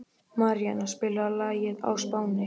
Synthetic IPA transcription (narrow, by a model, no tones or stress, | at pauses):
maɾjanaspɪːlaalaːjɪða̰wspaːwnɪ